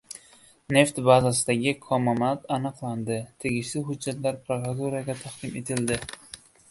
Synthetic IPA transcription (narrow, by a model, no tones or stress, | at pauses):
ne̞ft̪bazasɪd̪aɡʲɪkʰɒmamat̪anɨqlˠand̪ɪt̪ʰe̞ɡʲɪʃlɪɦʊd͡ʒːat̪laɾpɾokɾat̪uɾaɡʲat̪ʰaχt̪ɪme̞t̪ʰɪld̪ɪ